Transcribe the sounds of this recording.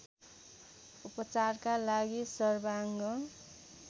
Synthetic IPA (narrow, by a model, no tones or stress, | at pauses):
upʌt͡sarkalaɡisʌrbaŋɡʌ